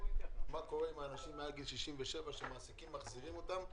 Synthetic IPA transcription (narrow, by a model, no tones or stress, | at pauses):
mako̞ʁeimaːnaʃimːealɡilʃiʃimveʃe̞vaʃemaːsikimːaχziʁimo̞t̪am